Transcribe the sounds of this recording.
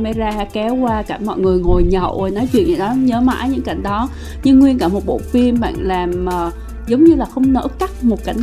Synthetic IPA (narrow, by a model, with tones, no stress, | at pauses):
mɛ˨˦jzaː˧haː˧kɛ˨˦wkwaː˧ka˧˩mɔ̰˧˨jŋɨ˨˩əjŋo˨˩jɲə̰˧˨wʔjnɔ˨˦jt͡ɕwḭ˧˨ənʔɨ̰˧˩ɗɔ˨˦ɲəː˨˦ma̰ː˧˥jɲɨ̰˧˥ŋka˧˩jŋ̟ɗɔ˨˦ | ɲɨ˧ŋːwi˧ənkaː˧˩mo˨˩t̚ɓo̰˧˨fi˧əmɓa̰ː˧˨nlaː˨˩məː˨˩ | zə˨˦wŋ͡mɲɨ˧laː˨˩xə˧wŋ͡mnə̰ː˧˥ka˦˥k̚mo˨˩t̚ka˧˩